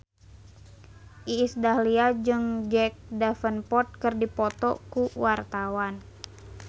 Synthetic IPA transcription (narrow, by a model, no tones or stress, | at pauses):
ʔiːsdahliad͡ʒɨŋd͡ʒɛk̚dafənpɔt̪̚kɨrdipɔt̪ɔ̰kuwart̪awan